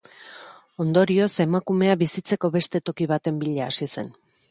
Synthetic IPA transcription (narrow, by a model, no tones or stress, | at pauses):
o̞nd̪o̞ɾio̞se̞makume̞aβisit͡se̞ko̞βe̞st̪e̞t̪o̞kiβ̞at̪e̞mbiʎaːsise̞̰n